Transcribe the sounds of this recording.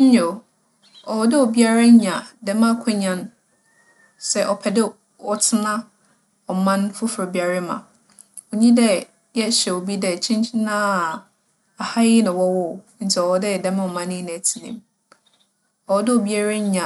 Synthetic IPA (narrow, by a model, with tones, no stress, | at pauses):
ɲ̩˦ɲɛ˨ | ɔ˨wɔ˦dɪ˦ɔ˨bi˦a˦ɾa˦ɲ˦ɲã˨dɛ˦mã˦˨kʷʰʊ˦ɲã˦n | sɛ˦ʔɔ˨pʰɛ˨dɪ˦ | ɔ˨tʰɪ˦nã˦ | ɔ˨mã˦nfʊ˦fɾɔ˨bi˨a˨ɾɪ˦mã̰˨ | ɔ˨ɲĩ˦dɛ˦ | jɛ˦ɕɛ˨o˨bi˦dɛ˨t͡ɕʰĩ˦t͡ɕʰi˦nãː˦˨ | a˨ha˦jɪ˦nɪ̃˨wɔ˦wɔ˦˨ | n̩˨˦t͡sʰɛ˨ɔ˨wɔ˦dɪ˦˨dɛ̃˦mɪ̃˦ɔ˨mã˦nɪ̃˦nã˨tʰi˨nḭ̃˨m | ɔ˨wɔ˨˦dɪ˦o˨bi˦a˦ɾa˦ɲã˨